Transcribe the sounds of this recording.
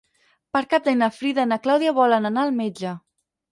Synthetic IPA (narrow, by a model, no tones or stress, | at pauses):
pəɾkap̚d̪ajnafɾiðənaklawðiaβɔlənanaːlˠmed͡ʒə